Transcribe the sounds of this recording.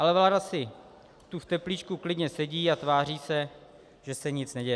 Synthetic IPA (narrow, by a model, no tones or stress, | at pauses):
ʔalɛvladasɪ | t̪uft̪ɛpliːt͡ʃkuklɪdɲɛsɛɟiːat̪vaːr̝iːsɛ | ʒ̥ɛsɛɲɪt͡snɛɟɛjɛ